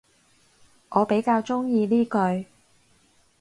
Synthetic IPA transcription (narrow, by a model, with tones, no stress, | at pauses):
ʔɔː˨˧pe˨˥jkaː˧wt͡ʃʊ˥ŋjiː˧niː˥kɵ˧ɥ